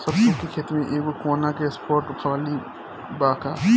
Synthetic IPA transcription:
sɐbsʊkekʰeːt̪mẽʔeːkokoːnakespʰoːɾʈxʰɐʋaːli | baːkaː

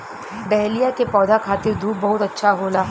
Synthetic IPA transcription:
ɖɛɦlijakepɔːd̪ʱakʰaːt̪iɾd̪ʱuːbɐɦut̪ɐtːʃʰaɦolaː

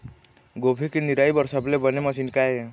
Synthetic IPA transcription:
ɡobʱikiniɾaibəɾsablebəneməsinkae

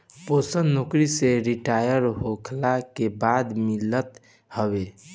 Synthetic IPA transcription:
posənnokɾiseɾiʈajəɾɦokʰlakebad̪milət̪ | həbe

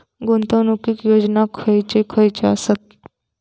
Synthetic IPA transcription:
ɡont̪ənukikjod͡ʑnakʰəjt͡ɕekʰəjt͡ɕea̰sat̪̚

